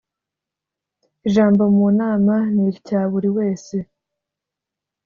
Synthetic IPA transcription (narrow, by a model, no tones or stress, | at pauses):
iʒaːmbo̞muːnaːmaniɾcaːβuɾiwe̞ːse̞